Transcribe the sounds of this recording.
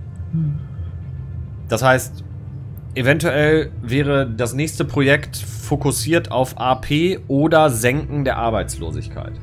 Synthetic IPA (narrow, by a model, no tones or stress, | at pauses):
d̥ashaɪst | ʔevɛntuʔɛlvɛːʁ̞ədasnɛːçstəpʁ̥ojɛktfokʊsiːɐtʰa̰ʊfʔaːpʰeːʔoːdɐzɛŋkŋ̩deːɐʔaɐbaɪt͡slo̰ːzɪ̰çkʰa̰ɪt